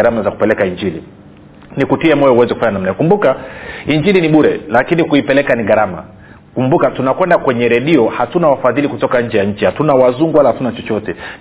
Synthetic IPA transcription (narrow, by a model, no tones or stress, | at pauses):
aɾamazaku̥pɛlɛkaiɲd͡ʒilḭ | nikutiɛmɔjɔuwɛzɛkufaɲanam̩nakumbukaiɲd͡ʒiliniɓuɾɛlakinikuipɛlɛkaniɣaɾama̰ | kumbukatunakwɛndakwɛɲɛɾɛɗiɔhatunawafaðilikutɔkaɲd͡ʒɛjaɲ̩t͡ʃihatunawazuŋɡualahatunat͡ʃɔt͡ʃɔtɛ